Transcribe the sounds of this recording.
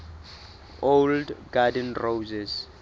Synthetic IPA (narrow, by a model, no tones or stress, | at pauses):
oldɡadɛnrowzɛz